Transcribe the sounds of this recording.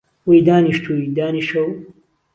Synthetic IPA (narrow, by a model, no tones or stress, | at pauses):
wojd̪aːniʃt̪ʰud̪aːniʃɐw